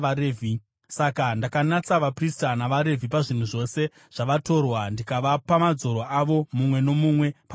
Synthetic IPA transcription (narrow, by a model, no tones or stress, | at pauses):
ɾevʱi | sakandakanat͡saʋapristanaʋaɾe̞vipaʐin̤uʐo̞se̞ | ʐ̥aʋato̞rwandikaʋapamad͡zo̞ɾoaʋo̞mumwe̞no̞mumwe̞pa